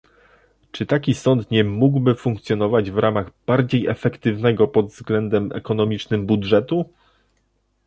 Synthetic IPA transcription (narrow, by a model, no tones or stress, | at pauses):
t͡ʂɘt̪akʲisɔnt̪ɲɛmuɡwbɘfuŋk̚t̪sʲjɔnɔvad͡ʑvɾʔamaɣb̥aɾd͡ʑejɛfɛkt̪ɘvnɛɡɔpɔd̪vzɡlɛnd̪ɛmɛ̰kɔn̪ɔmʲit͡ʂnɘmbudʐɛt̪u